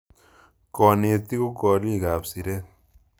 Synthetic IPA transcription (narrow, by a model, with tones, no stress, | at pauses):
kɔ˨ne˨t̪i˦ko˦kɔː˨ɾi˦˨ɡaː˨psi˨ɾe˦